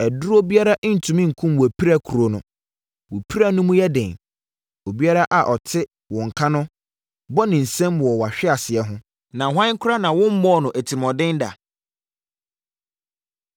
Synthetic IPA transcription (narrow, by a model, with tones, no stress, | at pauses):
ɛ˨dʊ˦ɾo˦bi˦a˦ɾa˦ʔn̩˨tʰũ˨mĩ˦ŋ̩˨kʰũ˦mwɔ˨æ˨pʰi˦ɾa˦kʰu˨ɾo˦nʊ̃˦ | wo˨pʰi˦ɾa˦nʊ̃˦mʊ̃˦jɛ˦dɪ̃˨n | o˨bi˦a˦ɾa˦ʔa˨ʔɔ˨tʰɪ˦ | wɔ̃˨ŋ̩˨kʰa˦nʊ̃˦ | bɔ˦nɪ̃˨n̩˨sɛ̃˦mwɔ˨wa˨ɕᶣɪ˦a˨sɪ˨ɛ˦ɦʊ̃˦ | nã˨ɦʷã˦ŋ˦kʰʊ˦ɾa˦nã˨wʊ̃˦m̩˦mɔ̃˦˨nʊ̃˨ʔæ˨tʰi˨mɔ̃˨dɪ̃˦nda̰˨